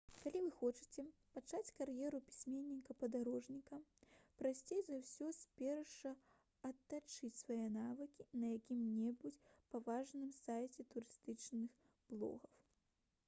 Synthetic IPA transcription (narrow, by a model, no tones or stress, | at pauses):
kalʲivɨxɔt͡ʂɨ̥t͡sʲɛpat͡ʂat͡sʲkaɾjɛɾupʲi̥sʲmʲenʲːikɐpɐd̪aɾɔʐnʲikɐpɾasʲt͡sʲejzɐwsʲɔsʲpʲɛrʂɐ | ɐt̪ːat͡ʂɨt͡sʲsvajɛnavɨkʲinɐjakʲimnʲɛbut͡sʲpavaʐnɨmsajt͡sʲɛt̪uɾɨst̪ɨt͡ʂnɨx | b̥lˠɔ̰ɣɐw